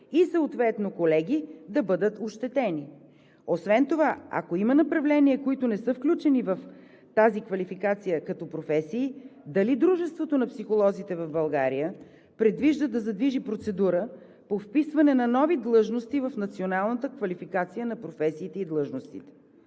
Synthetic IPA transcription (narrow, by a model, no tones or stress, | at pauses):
isɐot̪vɛt̪nokolɛɡ̟id̪ɐbɤd̪ət̪oʃt̪ɛt̪ɛni | osvɛnt̪ovaɐ̰koimɐnɐpɾɐvlɛniɛkoit̪ʊnɛsɤfklʲut͡ʃɛnivɐf | t̪azikvɐlifikat̪sijəkɐt̪ɔpɾofɛsiːd̪ɐlid̪ɾuʒɛst̪vot̪onɐpsixolˠɔzit̪ɛvɐvbɐlˠɡaɾijə | pɾɛd̪viʒd̪əd̪ɐzɐd̪viʒipɾot̪sɛd̪uɾə | pofpisvɐnɛnɐnɔvid̪lˠɤʒnost̪ivɐfnɐt̪sionalˠnət̪əkvɐlifikat̪sijənɐpɾofɛsiːt̪ɛid̪lˠɤʒnost̪it̪ɛ̥